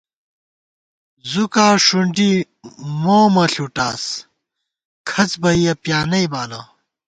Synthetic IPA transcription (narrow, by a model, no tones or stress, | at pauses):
zukaːʂuɳɖi | moːmɐɬuʈaːs | kʰɐt͡sbɐijɐpjaːnɐjbaːlɐ